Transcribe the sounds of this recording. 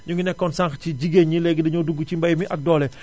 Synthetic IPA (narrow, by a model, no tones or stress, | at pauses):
ɲuɡinɛkːɔnsãŋxciɟiɡeɲɲilɛɡidɐɲɔduɡːut͡ʃimbɐjmiʔɐk̚dɔːlɛ